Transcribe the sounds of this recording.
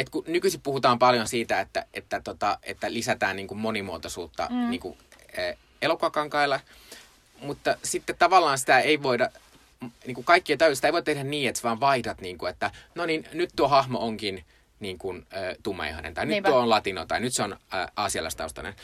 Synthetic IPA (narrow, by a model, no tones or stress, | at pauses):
et̪kunykysippuhut̪ɑːmpɑljonsiːt̪æet̪ːæ̰ḛt̪ːæt̪ot̪ɑʔḛt̪ːælisæt̪æːnniːŋkummonimuot̪osṵːt̪ːɑ̰niːŋkṵː | elokoɑkɑŋkɑilːɑ | mut̪ːɑsit̪ːet̪t̪ɑʋɑlːɑːnsi̥t̪æeiʋoidɑ | mniːŋkukɑikːiɑt̪ɑysi̥t̪æiʋot̪ehɾænniːet̪sʋɑːʋʋɑitɑt̪niːŋkuet̪ːænoninnyt̪t̪uohɑhmooŋkin | niːŋkunøːt̪umːɑ̰ḭhɑ̰nḛnt̪ɑinytt̪uoonlɑt̪ino̰t̪ɑinyt̪seonːʔɑːsiɑlɑ̰ist̪ɑ̰ust̪ɑ̰nḛn